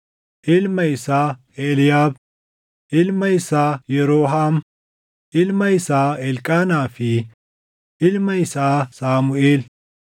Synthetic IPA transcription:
ʔɪlmɐɪsaː | eːljaːb | ɪlmɐɪsaːjɛɾoːɦaːm | ɪlmɐɪsaːɛlkʼaːnaːfi | ʔɪlmɐɪsaːsaːmʊeːl

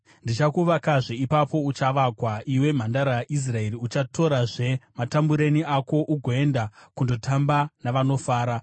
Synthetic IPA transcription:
ndit͡ʃakuʋakaʐeipapo̞ut͡ʃaʋakwaʔiwe̞m̤andaɾaʔis̬rae̞riut͡ʃatʰo̞ɾaʐe̞matambuɾe̞niako̞ʔuɡʱoe̞ndakundo̞tʰambanaʋano̞faːɾa

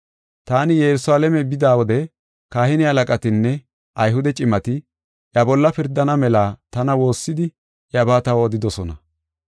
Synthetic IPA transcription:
t̪aːnɪjɛɾʊsaːlɛmɛbɪd̪aːwɔd̪ɛ | kaːhɪnɪɐlɐkʼɐt̪ɪnːɛ | ʔɐjɦʊd̪ɛt͡ʃʼɪmɐt̪ɪ | ʔjɐbɔlːɐpɪɾd̪ɐnɐmɛlaːt̪ɐnɐwo̞ːsːɪd̪ɪ | ʔjɐbaːt̪ɐwːd̪ɪd̪ɔsɔnɐ̰

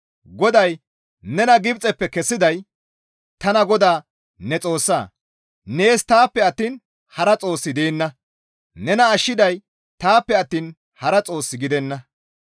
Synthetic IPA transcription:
ɡɔd̪ɐj | nɛnɐɡɪbt͡sʼɛpːɛkɛsːɪd̪ɐj | t̪ɐnɐɡɔd̪aː | nɛt͡sʼo̞ːsːa̰ː | ne̞ːst̪aːpːɛɐt̪ːiːn | hɐɾɐt͡sʼo̞ːsːɪd̪eːnːɐ | nɛnɐːʃːɪd̪ɐj | t̪aːpːɛɐt̪ːiːn | hɐɾɐt͡sʼo̞ːsːɪɡɪd̪ɛnːɐ

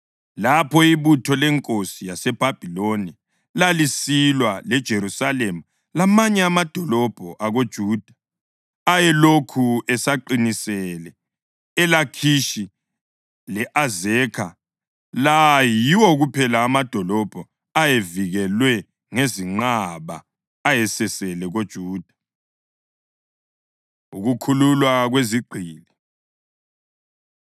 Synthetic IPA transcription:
lapʰɔiβutʰɔlɛŋkʼosijasɛb̥ʱab̥ʱiloni | lalisilwalɛd̥ʒ̥ʱeɾusalemu | lamaɲɛamad̥ʱɔlɔb̥ʱɔʔaɣod̥ʒ̥ʱuːd̥ʱḁ | ajɛlokʰuɛsaǃinisɛlɛː | lakʰiʃi | lɛʔazɛkʰa | lajiwɔɣupʰɛlaːmad̥ʱɔlɔb̥ʱɔ | ajeviɣɛlwɛ | ŋeziŋ͡ǃaβa̰ː | jɛsɛsɛlɛɣod̥ʒ̥ʱuːd̥ʱḁ | uɣukʰululwaɣweziɡ͡ǃʱiːli

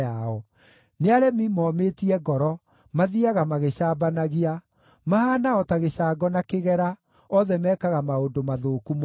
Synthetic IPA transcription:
aɔ | neaɾɛmimɔːmetiɛɡɔɾɔ | maðiaɣamaɣeɕaːbanaɣia | mahanaɔtaɣeɕaːɡɔnakeɣɛɾa | ɔðɛmɛːkaɣamaondomaðokum

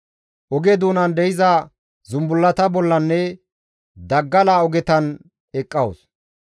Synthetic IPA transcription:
ʔɔɡɛd̪uːnɐnd̪ɛjɪzɐ | zʊmbʊlːɐt̪ɐbɔlːɐnːɛ | d̪ɐɡːɐlaːɔɡɛt̪ɐn | ɛkʼːɐwʊs

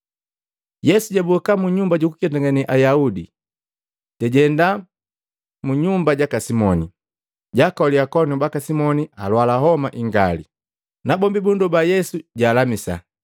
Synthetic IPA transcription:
jɛsuɟabukamuɲumbaɟukukiataŋɡaniʔajaudi | tɛɟɛnda | muɲumbaɟakasimɔni | ɟakɔliakɔniubakasimɔnia̰lwalaɦɔmaʔiŋɡalḭ | nabɔmbibundɔbajɛsuɟaːlamisa̰

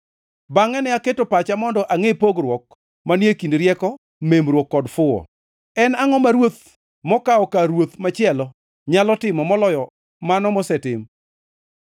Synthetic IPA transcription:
baŋɛnɛaketopat͡ʃamɔndɔʔaŋepoɡɾwɔk̚ | manjekindɾjɛkɔ | memɾwɔkːɔdfʊɔ̰ | ɛnaŋɔmaɾwot̪̚ | mɔkaɔkaɾwot̪mat͡ʃɪɛlɔ | ɲalɔtɪmɔmɔlɔjɔ | manɔmɔsɛtɪm

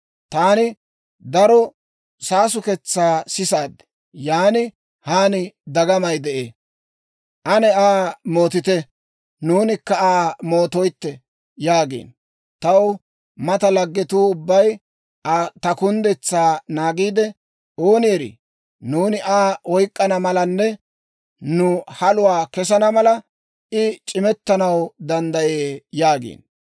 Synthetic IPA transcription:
t̪aːnɪ | d̪ɐɾɔ | saːs̬ʊkɛt͡sːaːsɪsaːd̪ɛ̥ | jaːnɪ | haːnɪd̪ɐɡɐmɐjd̪ɛʔeː | ʔɐnɛaːmo̞ːt̪ɪt̪ɛ | nuːnɪkːɐaːmoːt̪ɔjt̪ːɛ | jaːɡḛːn | t̪ɐw | mɐt̪ɐlɐɡːɛt̪uːʊbːɐj | t̪ɐkʊnd̪ɛt͡sːaːnaːɡiːd̪ɛ | ʔoːnjɛɾḭ | nuːnɪʔaːwɔjkʼːɐnɐmɐlɐnːɛ | nʊhɐlʊwaːkɛs̬ɐnɐmɐlɐ | ʔɪt͡ʃʼɪmɛt̪ːɐnɐwd̪ɐnd̪ɐjeːjaːɡḛːn

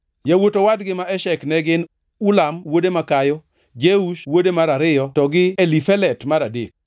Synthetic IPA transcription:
jawotowadɡɪmaɛʃɛknɛɡɪn | ulamwodemakajɔ | d͡ʒeuʃwodemaɾaɾɪjɔtɔɡɪelifɛlɛtmaɾadḛk̚

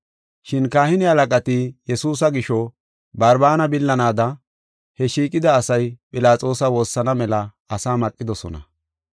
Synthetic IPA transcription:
ʃɪnkaːhɪnɪhɐlɐkʼɐt̪ɪjɛsuːs̬ɐɡɪʃɔ | bɐɾbaːnɐbɪlːɐnaːd̪ɐ | hɛʃiːkʼɪd̪ɐːsɐjpʼɪlaːt͡sʼo̞ːsɐwo̞ːsːɐnɐmɛlɐ | ɐsaːmɐkʼːɪd̪ɔsɔ̰nɐ̰

